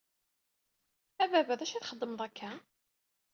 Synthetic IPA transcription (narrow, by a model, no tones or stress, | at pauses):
ævævæðæʃiθχəd̪ːəməðˤækʰːæ